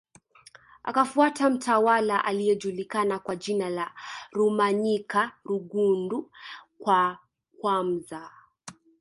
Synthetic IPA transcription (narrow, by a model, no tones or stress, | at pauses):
a̰kafuatam̩tʰawalaʔalijɛʄulikanakwaʄinalaɾumaɲikaɾuɠundukwa | kwam̩za